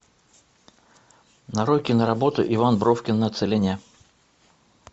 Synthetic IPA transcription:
nɐɾokʲɪnəɾɐbo̞t̪ʊ̰ʔɪvanbɾofkʲɪnːəɐt̪sɨlʲenʲɪjə

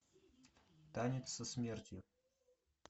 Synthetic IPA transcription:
t̪anʲɪt̪səsmʲert̪ʲjʊ

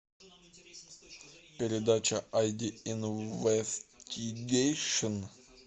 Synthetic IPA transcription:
pʲɪɾʲɪd̪at͡ɕəʔajdʲɪɪnvɛstʲʰɪɡejʂən

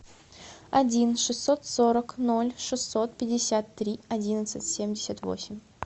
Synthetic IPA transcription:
ɐdʲinʂɨsːo̞t̪so̞ɾəkno̞lʲʂɨsːo̞t̪̚pʲɪdʲɪsʲat̪ːɾʲiɐdʲinət̪sɨtʲsʲemʲdʲɪsʲət̪vo̰sʲɪmʲ

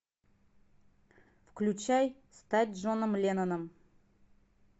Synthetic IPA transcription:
fkʲlʲut͡ʃæjst̪at̪̚ʲʒonəmlʲenonəm

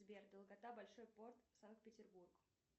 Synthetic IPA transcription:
zbʲerd̪əlˠɡɐt̪abɐlʲʂojpo̞rt̪sankpʲɪtʲɪrburɡʊ

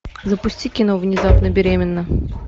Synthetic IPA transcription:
zəpusʲtʲikʲinovnʲɪzɑpnəbʲeɾʲemʲɪnːə

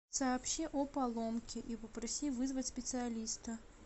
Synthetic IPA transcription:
sɐːpɕiʔopɐlˠomkʲɪʔipəpɾɐsʲivɨzvətʲsʲpʲɪt̪sɨɐlʲist̪ə

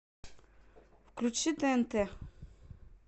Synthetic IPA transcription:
fklʲut͡ʃit̪ɛɛnt̪ɛ

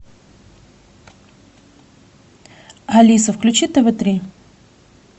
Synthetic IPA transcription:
ɐlʲisəfklʲʉt͡ɕit̪ːəvɨt̪ɾʲi

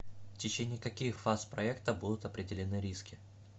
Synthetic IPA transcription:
ftʲɪt͡ɕenʲɪːkɐkʲixfaspɾɐɛkt̪əbud̪ʊt̪ɐpɾʲɪdʲɪlʲɪnɨɾʲiskʲɪ

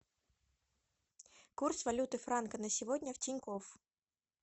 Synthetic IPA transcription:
kursvɐlʲut̪ɨfɾankənəsʲɪvodʲnʲəftʲɪnʲkof

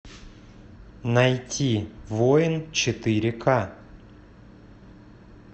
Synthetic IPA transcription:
nɐjtʲʰivojɪnt͡ɕɪt̪ɨɾʲɪkʰa

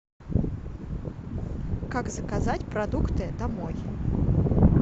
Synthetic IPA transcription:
kaɡzɐkazatʲpɾɐd̪ukt̪ɨd̪amɔj

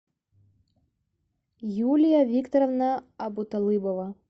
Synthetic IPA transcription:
julʲijavʲikt̪oɾovnɑːbut̪olˠɨbova

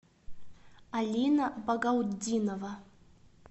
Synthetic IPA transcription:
alʲinabaɡawd̪ʲinova

